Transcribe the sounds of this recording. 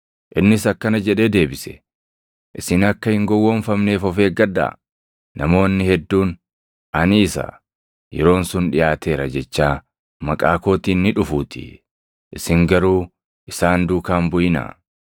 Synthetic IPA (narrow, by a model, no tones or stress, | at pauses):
ʔɪnːɪsɐkːɐnɐd͡ʒɛᶑe̞ːd̪e̞ːbɪsɛ̥̰ | ʔɪsɪnɐkːɐhɪŋɡɔwːɔnfɐmne̞ːfɔfe̞ːɡɐd̪a̰ː | nʔɐmo̞ːnːɪhɛd̪ːuːn | ʔɐnɪːsɐ̰ | jɛ̰ɾo̞ːnsʊnᶑɪjaːt̪e̞ːɾɐd͡ʒɛt͡ʃːaː | mɐkʼaːko̞ːt̪iːnːɪᶑʊfuːt̪ɪ̥̰ | ʔɪsɪŋɡɐɾuː | ʔɪsaːnd̪uːkaːmbʊʔɪnɐ̰